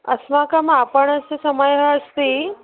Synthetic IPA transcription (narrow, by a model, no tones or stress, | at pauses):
ə̰smakamapəɳəsesəmajɦaəst̪i